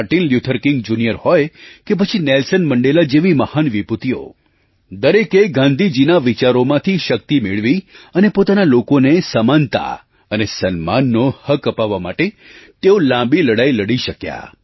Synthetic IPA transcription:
aʈinljut̪ʰəɾkɪ̃ŋɡd͡ʒunijəɾhɔjkep̬ət͡ʃʰinelsənməɳɖelad͡ʒeʋiməhanʋiput̪io̰ | d̪əɾekeɡãnd̪ʱid͡ʒinaʋit͡ʃaɾomãt̪ʰiʃək̚t̪imeɭʋiənepot̪analokonesəmant̪a̰ | ənesənma̰nːohəkəpaʋːama̰ʈe | t̪eolãbiləɽajləɽiʃəkja̰

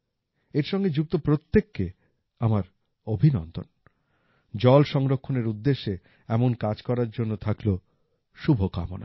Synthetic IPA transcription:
eɾʃɔŋɡed͡ʑuk̚t̪opɾot̪ːekːe | amaɾ | obʱinɔ̰nt̪o̰n | d͡ʑɔlʃɔŋɾokʰːoneɾud̪ːeʃːe | ɛmonkad͡ʑkɔɾaɾd͡ʑonːot̪ʰaklo | ʃubʱoka̰mo̰na̰

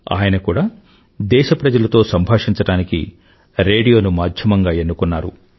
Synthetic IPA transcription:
a̰ːjɐnɐkuːɽaː | d̪ɛːʃɐpɾɐd͡ʒɐlɐt̪o̞ːsɐmbʱaːʂiɲt͡ʃɐɽaːnikḭ | ɾeːɽijo̞ːnumaːd̪ʱjɐmɐŋɡaːe̞nːukunːaːɾṵ

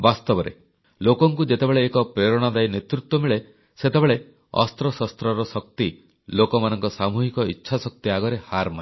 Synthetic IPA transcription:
bast̪ɔbɔɾḛ | lokɔŋkud͡ʒet̪ebeɭeːkɔpɾeɾɔɽ̃ad̪ajnet̪ɾut̪wɔmiɭe | set̪ebeɭe | ɔ̰st̪ɾɔsɔst̪ɾɔɾɔsɔk̚t̪i | lokɔmanɔŋkɔsamuɦikɔitːʃʰasɔk̚t̪iaɡɔɾehaɾma

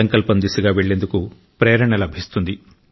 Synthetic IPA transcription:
ɐŋkɐlpɐnd̪isɐɡaːʋe̞ɭːe̞ːnd̪uku | pɾeːɾɐɳɐlɐbʱist̪und̪i

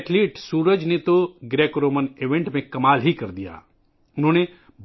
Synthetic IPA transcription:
ʈʰliːʈsuːɾəd͡ʒnet̪oɡɾeːkɾoːməneːʋẽɳʈmẽkɐmaːlɦikɐɾd̪ija̰ː | ʊnɦõːne | b

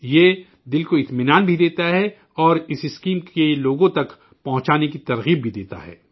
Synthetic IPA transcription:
jeː | d̪ɪlkoɪt̪mɪnaːnbʱid̪eːt̪aɦɛ | ɔːɾɪsɪskiːmkeloːɡõt̪ɐk | pɐɦʊ̃t͡ʃaːnekit̪ɐɾɣiːbbʱid̪eːt̪a̰ɦɛ̰ː

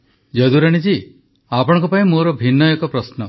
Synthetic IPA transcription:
d͡ʒed̪uɾaɽ̃id͡ʒi | apɔɽ̃ɔ̃ŋkɔpaĩmoɾɔbʱinːɔekɔpɾɔsnɔ

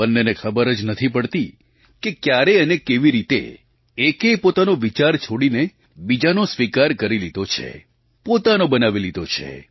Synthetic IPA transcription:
bənːenekʰəbəɾəd͡ʒnət̪ʰipəɽt̪i | kekjaɾeənekeʋiɾit̪ḛ | ekepot̪anoʋit͡ʃaɾt͡ʃʰoɽine | bid͡ʒanosʋikaɾkəɾilid̪ot͡ʃʰḛ | pot̪anobənaʋilid̪ot͡ʃʰḛ

